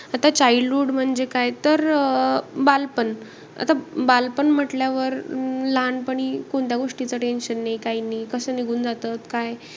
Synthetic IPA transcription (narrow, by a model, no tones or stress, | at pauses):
at̪at͡ɕailuːɽm̤əɳd͡ʑekajt̪əɾ | balpən | a̰t̪abalpənm̤əʈljaʋəɾlanpəɳ̃ikoɳt̪jaɡoʂʈit͡səʈenɕənːajkainiːkəsəːniɡʱuːnd͡zat̪ət̪kaj